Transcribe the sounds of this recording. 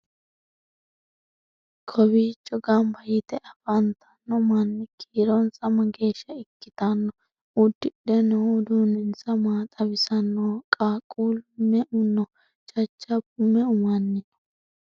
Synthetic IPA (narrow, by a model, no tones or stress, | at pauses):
kʰɔbiːt͡ʃʼːɔɡɐmbɐjɪt̪ɛʔɐfɐnt̪ʰɐnːɔmɐnːɪkʰiːɾɔnt͡sʼɐmɐɡe̞ːʃːɐɪkːɪt̪ɐnːɔ | ʊd̪ːɪɗɛnɔd̪uːnɛnt͡sɐmaːt̪ʼɐbɪsɐnːoːkʼaːkʼuːlmɛʔʊnːɔ | t͡ʃʼɐt͡ʃːɐbʊmɛʊmɐnːɪnɔ̥